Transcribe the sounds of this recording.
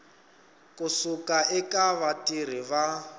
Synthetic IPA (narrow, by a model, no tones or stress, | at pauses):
kʼusukaʔɛkʼaβatʼir̤iβa